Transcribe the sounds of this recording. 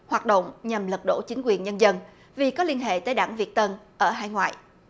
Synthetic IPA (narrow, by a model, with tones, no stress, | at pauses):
hwaː˨˩t̚ɗə̰˧˨wŋ͡mɲa˨˩mlə˨˩t̚ɗo̰˧˥˩t͡ɕï˨˦ŋ̟kwi˨˩ənɲə˧nzə˧n | vi˨˩kɔ˨˦li˧ənɦḛ˧˨t̪əː˨˦jɗaː˧˩ŋvi˨˩ət̚t̪ə˧nʔəː˧˩ɦaː˧jŋwa̰ː˧˨j